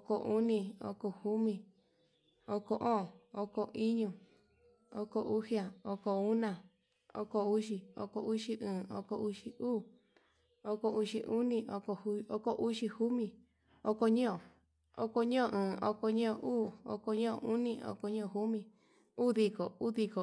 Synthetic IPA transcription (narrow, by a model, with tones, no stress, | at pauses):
o˦ko˧˨ʔu˦nĩ˧o̰˦ko˧hu˦mĩ˧ | o˦ko˧ʔõː˦˨o˦ko˧ʔi˦ɲũ˧˨ | o˦ko˧ʔu˦hi˦a˨o˦ko˧u˦nã˧˨ | o̰˦ko˧u˦ʃi˧o̰˧ko˧ʔu˦ʃi˧ʔɨ̃ː˨o̰˦ko˧u˦ʃi˧uː˦˨ | o˦ko˧u˧ʃi˧ʔu˦nĩ˧ʔo˧ko˧hu˧˦o˦ko˦ʔu˦ʃi˧hu˦mĩ˧˨ | o˦ko˧ɲõ˦õ˨ | o˦ko˧ɲõ˦õ˨ʔɨ̃ː˨o˦ko˧ɲõ˦õ˧˨ʔuː˦˨o̰˧ko˧ɲõ˦õ˨ʔu˦nĩ˧o̰˧ko˧ɲõ˦õ˨ɦu˦mĩ˧ | u˦˨ði˧ko˨u˦ði˧ko˨